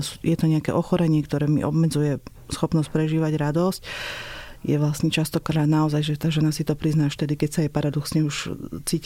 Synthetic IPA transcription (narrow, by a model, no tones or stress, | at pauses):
sjɛt̪ɔɲɛakɛ̰ʔɔxɔɾɛɲɪɛkt̪ɔɾɛːmḭʔɔ̰bmɛd͡zujɛ | sxɔpnɔsc̚pɾɛʒiːʋaɟɾad̪ɔsc | jɛʋlasɲɛt͡ʃast̪ɔkɾaːd̪naɔzajʒɛt̪aːʒɛnasit̪ɔpɾiznaːʃt̪ɛd̪ikɛcsaajpaɾad̪ɔksɲɛuʃt͡siːc